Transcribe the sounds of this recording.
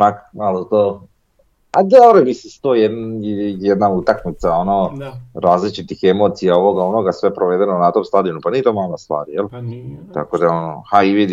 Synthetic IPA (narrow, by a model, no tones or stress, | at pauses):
nakmalot̪o | ad̪eoɾojmisist̪ojed̪njed̪naut̪aknit̪saonoɾaːzlit͡ʃit̪ixemo̞ːt̪sijao̞ʋo̞ɡaonoɡasʋe̞pɾʔoʋed̪e̞nonat̪o̞mst̪ad̪ionupaniet̪omalɡast̪ʋa̰ːɾijelt̪a̰ko̞d̪aono̰haiʋid̪